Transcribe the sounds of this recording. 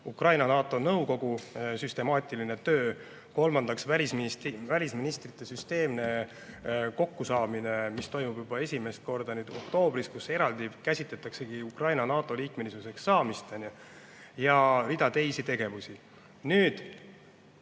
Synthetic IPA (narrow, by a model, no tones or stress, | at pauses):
ukrɑjnɑnɑːt̪ːˑo̞nɤwko̞ɡ̥usyst̪e̞mɑːt̪ʲˑiline̞t̪ø̞ː | ko̞lmɑnd̪̥ɑksvælʲismvælʲisminist̪rit̪ˑːe̞syst̪e̞ːmne̞ | ko̞kːusɑːmine̞mist̪o̞jmub̥jub̥ɑe̞sʲime̞st̪̚ko̞rd̪ɑnyːd̪̥o̞̰k̚t̪o̞ːbɾiskuse̞ɾɑld̪̥ikæsʲit̪le̞t̪ːˑɑkse̞ɡ̥iukrɑjnɑnɑːt̪ːˑo̞liːkme̞lisuse̞ksːɑːmist̪ɑnʲe | jɑɾid̪̥ɑt̪e̞jsit̪e̞ɡ̥e̞vusi | nyːd̪̥